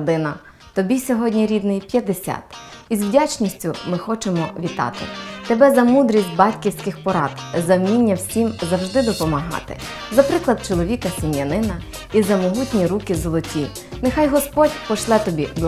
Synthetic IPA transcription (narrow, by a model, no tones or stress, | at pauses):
d̪ɪnɐ | t̪ɔbʲisʲɔɦɔdʲnʲiɾʲid̪nɪjpʲjɐd̪esʲa̰t̪izwdʲat͡ʃnʲisʲtʲʊmɪxɔt͡ʃemɔʋʲit̪ɑ̰t̪ɪ̰t̪ebɛzɐmud̪ɾʲisʲtʲbɑtʲkʲiwsʲkɪxpɔɾɑd̪zɐwnʲinʲːɐwsʲimzɐwʒd̪ɪd̪ɔpɔmɐɦɑ̰t̪ɪ̰ | zɐpɾɪklˠɐd̪̚t͡ʃɔlˠɔʋʲikɐsɪmjɐnɪnɐ | izɐmɔɦutʲnʲiɾukɪzɔlˠɔtʲi | nexɑjɦɔspɔtʲpɔʃlˠɛt̪ɔbʲiblˠ